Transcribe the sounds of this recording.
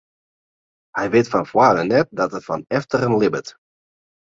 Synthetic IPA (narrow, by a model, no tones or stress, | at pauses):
hɛjʋɪtfɔnfwaːdənɛt̚dɑtətfɑnɛftərənlɪbət